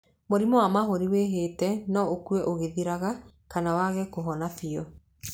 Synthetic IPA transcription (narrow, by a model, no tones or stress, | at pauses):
moɾimɔwamaɦoɾiweɦeːtɛnɔokuɛʔoɣeðiɾaɣa | kanawaɣɛkoɦɔnafiɔ